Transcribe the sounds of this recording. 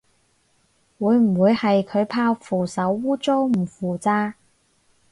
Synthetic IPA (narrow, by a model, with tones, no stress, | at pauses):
wuː˨˧jm̩˨˩wuː˨˧jhɐ˨jkʰɵ˨˧ɥpʰaː˧wfuː˨˩sɐ˨˥wːuː˥t͡so˥wm̩˨˩fuː˨˩t͡saː˥